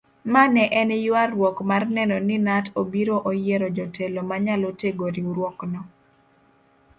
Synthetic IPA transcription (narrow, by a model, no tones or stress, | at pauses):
manɛʔɛnjʊarwɔkmarnɛnɔnɪnatobiɾoʔojeɾɔd͡ʒɔtʰɛlɔmaɲaloteɡoɾiuɾwɔknɔ